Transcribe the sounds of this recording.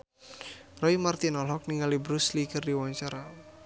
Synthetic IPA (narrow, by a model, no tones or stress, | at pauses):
rɔimart̪inɔlɦɔk̚niŋalibɾuslikərdiwaɲt͡ʃaɾa